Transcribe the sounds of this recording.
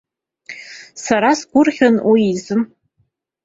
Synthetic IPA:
saɾasɡʷʊrχʲanwiizɨm

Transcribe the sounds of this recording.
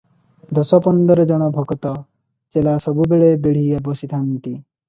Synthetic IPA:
d̪ɔsɔpɔnd̪ɔɾed͡ʒɔɽ̃ɔbʱɔɡɔt̪ɔ | t͡ʃelasɔbubeɭebeɽ̤ijabɔsit̪ʰant̪i

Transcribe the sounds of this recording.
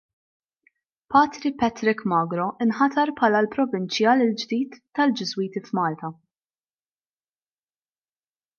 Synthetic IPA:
pɐːt̪ɾipɛt̪ɾɪkmɐːɡɾɔʔɪnħɐt̪ɐɾpħɐːlɐlpɾɔvɪnt͡ʃjɐlɪld͡ʒd̪iːt̪ːɐld͡ʒɪzwiːt̪ifmɐːlt̪ɐ

